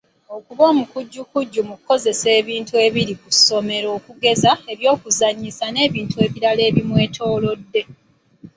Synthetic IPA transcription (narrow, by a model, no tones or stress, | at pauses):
o̞kuβo̞ːmukuɟːukuɟːumukuko̞ze̞se̞ːβiːntue̞ːβiɾikuso̞me̞ɾo̞ːkuɡe̞zae̞βjo̞ːkuzaɲisane̞ːβiːntue̞ːβiɾale̞ːβimwe̞ːtʰo̞ːlo̞dːe̞